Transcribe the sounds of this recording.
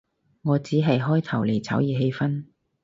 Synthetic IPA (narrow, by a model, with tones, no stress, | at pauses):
ŋɔː˨˧t͡siː˨˥ɦɐ˨jɦɔː˥jt̪ʰɐ˨˩wle˨˩jt͡sʰɐ̰˨˥wjiː˨˧ɦe˧jfɐ˥n